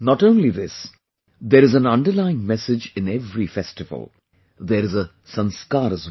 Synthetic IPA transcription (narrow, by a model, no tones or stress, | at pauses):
nɔʈõːnliðɪs | d̪eːɾɨzæ̃nʌ̃ɳɖəlaɪɪ̃ŋmɛsɪd͡ʒɪ̃nɛvɾifɛsʈɪvə̰lˠ | d̪eːɾɪzə | sʌ̃nskaːɾəz